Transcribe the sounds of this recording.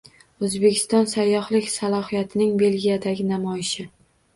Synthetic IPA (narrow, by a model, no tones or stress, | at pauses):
ɵzbe̞kʲʰɪ̥st̪ɒnsajːɒhlɪkʲsalˠɒhijat̪ʰɪnɪŋbe̞lɡʲijad̪aɡʲɪnamɒjɪʃɪ